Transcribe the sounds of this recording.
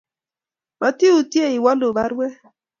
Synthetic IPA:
ma˨ti˦u˨tje˦˨i˨wa˦lo˨ba˦ɾwɛ˦

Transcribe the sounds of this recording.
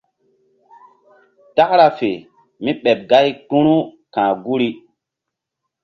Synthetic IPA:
ta˦kɾa˨fe˨ | mi˦ɓɛ˨p̚ɡa˦jtu˦ɾu˦ | kãː˨ɡu˦ɾi˦

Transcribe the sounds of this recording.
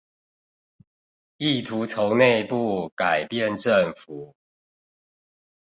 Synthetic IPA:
i˥˨t̪ʰu˨˦t͡sʰo˨˦ʊne˥˧ɪpu˥˨ka˨˩ɪpjɛ˥˨nʈ͡ʂə˥˨ŋfu˨˩˦

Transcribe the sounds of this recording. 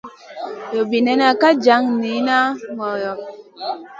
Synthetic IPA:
jɔ˨bi˨nɛ˨na˨ka˦d͡ʒa˨˦ŋni˨˦na˦ŋɔ˨jɔ˨p̚

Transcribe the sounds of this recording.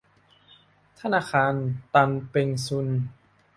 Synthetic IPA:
t̪ʰa˧˥˨naː˧˩kʰaː˧nt̪a˧npe˧ŋsu˧n

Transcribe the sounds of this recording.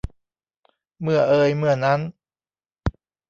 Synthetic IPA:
mɯ˧˩ɐʔɤː˧jmɯ˧˩ɐna˦˥n

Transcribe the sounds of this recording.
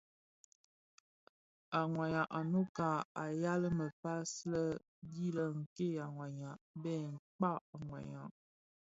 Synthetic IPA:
a˨ŋwa˨ɲa˨ʔa˨no˦ka˨a˨ja˦lə˦mə˨pa˦slə˦ | di˦lə˨ŋ̩˨ke˦ja˨ŋwa˨ɲa˨ʔbɛ˦˨ŋ̩˨k͡pa˦˨ŋwa̰˨ɲa˨ʔ

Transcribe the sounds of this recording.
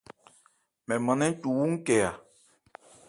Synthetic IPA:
mɛ̃˨mã˨nɛ̃˦n˦tu˨wu˦ŋ̩˦kɛ˨a˨

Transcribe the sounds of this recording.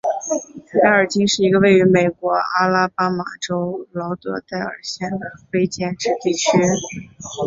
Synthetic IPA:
t̪ʰa˥˩ɪə˞˨˩t͡ɕi˥ŋʂɻ̩˥˩i˧˥ɡə˧we˥˩ɪy˧˥me˨˩ɪkwɔ˧˥a˥la˥pa˥ma˨˩ʈ͡ʂo˥ʊlɑ˧˥ʊt̪ɤ˧˥t̪a˥˩ɪə̰˞˨˩ɕjɛ˥˩nd̪ə˩fe˥ɪt͡ɕjɛ˥˩nʈ͡ʂɻ̩˥˧t̪i˥˩t͡ɕʰy˥

